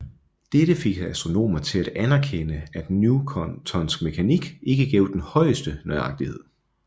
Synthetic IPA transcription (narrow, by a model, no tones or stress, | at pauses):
d̥eɾəfe̝ɡ̥hæsd̥ʁo̝no̝̰ːmɐt͡sʰe̝læɾ̥ænæɐkʰenəæd̥njukʰt͡sʰɒ̽nsɡ̥̚me̝kʰæniɡ̥e̝ɡ̥əɡ̥ɛʊd̥enhɒ̽ɪəsd̥ənɒɪɑ̈ɡ̥̚d̥ihe̝ð̰ˠ